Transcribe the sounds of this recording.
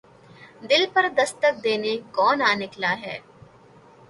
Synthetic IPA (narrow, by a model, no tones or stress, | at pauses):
d̪ɪlpɐɾd̪ɐst̪ək̚d̪eːnekɔːnaːnɪklaɦɛː